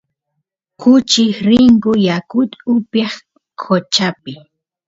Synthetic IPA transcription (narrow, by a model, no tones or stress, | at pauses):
kʊt͡ʃɪxɾɪŋkʊjakʊt̪ʊpeχ | kʰot͡ʃapɪ